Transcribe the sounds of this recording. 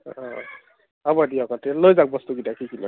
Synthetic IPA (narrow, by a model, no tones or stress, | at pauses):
ɔ̃ | abadiɔkɔtelojzak̚bɔst̪uɡitakikilɔ̰